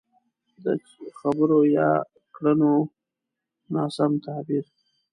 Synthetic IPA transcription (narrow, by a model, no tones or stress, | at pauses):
d̪ə̰ | xabəɾojɑ̰ | kɽəno | nɑsamt̪abiɾ